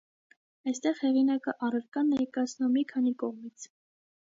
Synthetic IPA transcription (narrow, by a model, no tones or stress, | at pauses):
ɑjst̪ɛʁhɛʁinɑkəʔɑrəɾkɑnːɛjkɑt͡sʰnumːikʰɑnikɔʁmit͡sʰ